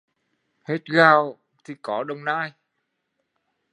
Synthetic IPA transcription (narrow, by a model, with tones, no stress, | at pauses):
he˦˥t̚ɣaː˧˩w | t̪ʰi˨˩kɔ˨˦ɗə˨˧wŋ͡mnaː˧j